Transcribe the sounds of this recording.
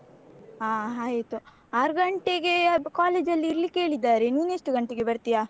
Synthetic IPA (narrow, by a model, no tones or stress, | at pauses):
aːɦaːt̪u | aːɾuɡɐɳʈeɡe̞kaːle̞ːd͡ʒɐlːiːɾlikːeeːɭid̪ːaːɾe̞niːneʂʈuɡɐɳʈeɡe̞bɐɾt̪ijaː